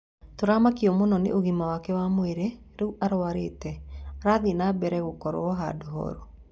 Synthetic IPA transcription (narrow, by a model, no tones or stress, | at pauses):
toɾamakiɔmonɔnḛʔoɣimawakɛwamoeɾe | ɾɛuʔaɾoaɾetɛaɾaðinabɛɾɛɣokɔɾo̰ɔɦa̰doɦɔ̰ɾo